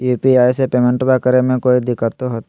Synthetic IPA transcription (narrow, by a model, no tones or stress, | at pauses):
juːpiaːjsepemẽɳʈbakəɾemẽkoːid̪ɪkət̪ɦot̪